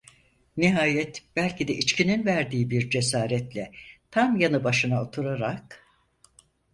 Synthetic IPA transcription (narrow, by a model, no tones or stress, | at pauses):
niɦaːjɛt̪b̥ælʲcid̪ɛʔit͡ʃcʰininvæɾd̪iːbiɾd͡ʒe̞saːɾɛt̪lʲɛt̪ʰamjanɯbaʃɯnaot̪ʰuɾaɾak